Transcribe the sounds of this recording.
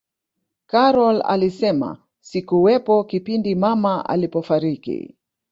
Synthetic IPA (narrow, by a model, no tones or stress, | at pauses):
kaɾɔla̰lisɛma̰ | sikuwɛpɔkipindimamaʔa̰lipɔfaɾikḭ